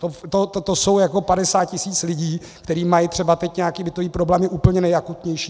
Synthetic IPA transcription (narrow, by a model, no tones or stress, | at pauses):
t̪ot̪ot̪ot̪oso̞wjako̞padɛsaːt̪̚cɪsiːt͡slɪɟiː | kt̪ɛɾiːmajɪt̪r̥ɛbat̪ɛcɲɛakiːbɪt̪oviːpɾoblɛːmɪʔuːpl̩ɲɛnɛjakut̪ɲɛjʃiː